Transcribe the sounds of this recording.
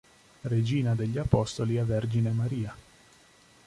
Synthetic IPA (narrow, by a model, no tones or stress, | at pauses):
red͡ʒiːnad̪eʎːiapɔst̪oliaverd͡ʒinemaɾiːa